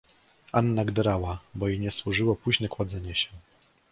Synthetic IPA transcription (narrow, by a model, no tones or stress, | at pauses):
anːaɡd̪ɛɾawabɔiɲɛswuʐɘwɔpuʑnɛkwad̪zɛɲɛɕɛ